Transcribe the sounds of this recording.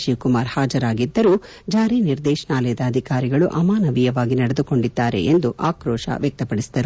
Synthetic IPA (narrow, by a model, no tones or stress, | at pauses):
ʃiwkumaːɾhaːd͡ʒɐɾaːɡid̪ːɐɾuː | d͡ʒaːɾiːniɾd̪ɛːʃɐɳaːlɐjɐd̪ɐːd̪ʱikaːɾiɡɐɭuʔɐmaːnɐʋijɐʋaːɡinɐɽed̪uko̞ɳɖid̪ːaːɾe̞̰ʔend̪uʔaːkɾoːʃɐ̰ʋjɐk̚t̪ɐpɐɽisi̥d̪ɐɾu